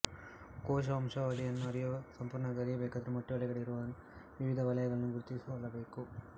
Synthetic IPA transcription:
kɔːʃ̬ɐʋɐmʂɐʋɐlijɐnːuɐɾijuʋɐsɐmpuːɾɳɐɡɐɾijɐbeːkaːd̪ɐɾumoʈːiʋɐlɛɡɐɭiɾuʋɐn | ʋiʋid̪ʱɐʋɐlɐjɐɡɐɭɐnːuɡuɾut̪isiɐlːɐbe̞ːku

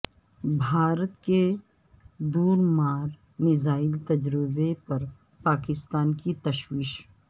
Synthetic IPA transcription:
bʱaːɾət̪ke | d̪uːɾmaːɾ | mɪzaːɪlt̪ɐd͡ʒɾɪbepɐɾ | paːkɪst̪aːnkit̪ɐʃwiːʃ

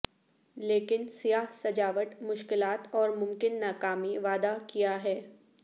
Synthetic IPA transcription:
leːkɪnsijaːɦsɐd͡ʒaːʋəʈmʊʃkɪlaːt̪ɔːɾmʊ̃mkɪnːaːkaːmiʋaːd̪akijaɦɛː

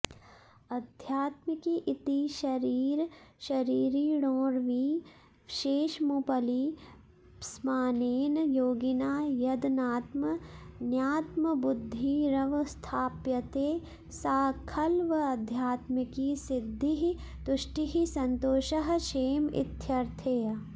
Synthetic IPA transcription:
ɐd̪ʱjaːt̪mɪkiʔɪt̪iʃɐɾiːɾʃɐɾiːɾiɽõːɾʋiː | ʃeːʃmupɐli | smaːneːnjoːɡinaːjɐd̪naːt̪mənjaːt̪məbʊd̪ʱːiɾɐʋst̪ʰaːpjɐt̪eː | saːkʰɐlʋɐɐd̪ʱjaːt̪mɪkisɪd̪ʱːiɦi | t̪ʊʃʈiɦisɐnt̪oːʃɐɦʃeːmɪ̰t̪ʰjɐɾt̪ʰeː

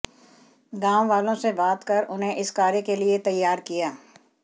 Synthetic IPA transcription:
ɡãːõʋaːlõsebaːt̪kɐɾʔʊnɦẽʔɪskaːɾekeliet̪ɐjːaːɾkijaː

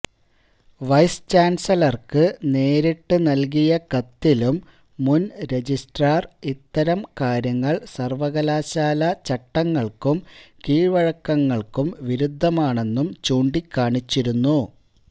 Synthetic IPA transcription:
ʋɐjst͡ɕaːnsɐlɐrkɨne̞ːɾiʈːɨnɐlk̬ijɐkɐt̪ːilumː | unɾe̞d͡ʑisʈraːrit̪ːɐɾɐmkaːɾjɐŋːɐɭsɐrʋɐɣɐlaːɕaːlɐt͡ɕɐʈːɐŋːɐɭkumkiːʋɐɻɐkːɐŋːɐɭkumʋiɾud̪ʱːɐmaːɳe̞nːumt͡ɕuːɳɖikːaːɳit͡ɕːiɾunːu

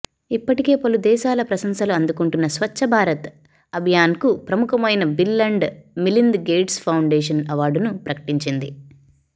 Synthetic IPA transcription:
ipːɐʈike̞ːpɐlud̪ɛːʃaːlɐpɾɐsɐŋsɐluɐnd̪ukuɳʈunːɐsʋɐt͡ʃʰːɐbʱaːɾɐt̪ | ɐbʱijaːnkupɾɐmukɐmɐjnɐbilːɐɳɖmilind̪ɡeːʈspʰɐwɳɖeːʂɐnɐʋaːɖunupɾɐkɐ̥ʈiɲt͡ʃind̪i

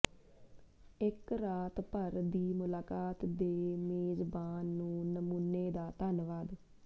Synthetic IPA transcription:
ɪkɾaːt̪pəɾd̪iːmʊlaːkaːt̪d̪eːmeːzbaːnːũːnəmuːnːeːd̪aːt̪ənʋaːd̪

